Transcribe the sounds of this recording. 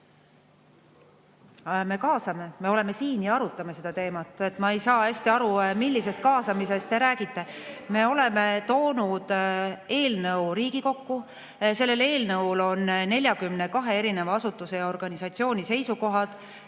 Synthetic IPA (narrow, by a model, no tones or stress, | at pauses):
me̞kɑːsɑme̞me̞o̞le̞me̞siːnjɑɑɾut̪ːˑɑmese̞d̪̥ɑt̪e̞ːmɑt̪ːˑe̞t̪ːˑmɑe̞jsɑːæsʲt̪iɑɾumilʲːise̞st̪̚kɑːsɑmis̬e̞st̪ːe̞ɾæːɡ̥it̪ːˑe̞me̞ːo̞le̞me̞t̪o̞ːnud̪̥e̞ːlnɤuɾiːɡ̥iko̞kːu | se̞lːe̞le̞ːlnɤwlo̞nːe̞lʲjɑkymne̞kɑɦe̞e̞ɾinevɑɑsut̪ːˑuse̞jɑo̞rɡ̥ɑnisɑt̪sio̞ːnʲise̞jsuko̞ɦɑd̪̥